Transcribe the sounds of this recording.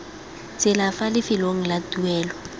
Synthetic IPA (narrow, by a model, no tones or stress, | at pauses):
t͡sʼɪlafalɪfɪloŋ̩latuɛːlɔ